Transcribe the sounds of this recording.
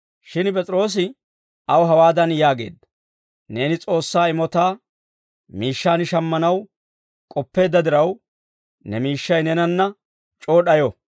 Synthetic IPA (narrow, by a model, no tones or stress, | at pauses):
ʃɪnpʼɛt͡sʼɾo̞ːs̬ɪ | ɐwɦɐwaːd̪ɐnjaːɡe̞̰ːd̪ːɐ̥ | ne̞ːnɪt͡sʼo̞ːsːaːɪmɔt̪aː | miːʃːaːnɪʃɐmːɐnɐw | kʼɔpːe̞ːd̪ːɐd̪ɪɾɐw | nɛmiːʃːɐjnɛnɐnːɐ | t͡ʃʼoːɗɐjɔ